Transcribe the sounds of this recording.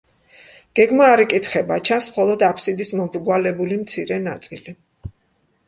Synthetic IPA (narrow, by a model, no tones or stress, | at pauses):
ɡ̥ɛɡmaːɾikʼit̪χɛbat͡ʃʰansmχɔlˠɔd̪apʰsid̪ismɔbɾɡwalɛbulimt̪sʰiɾɛnat̪sʼili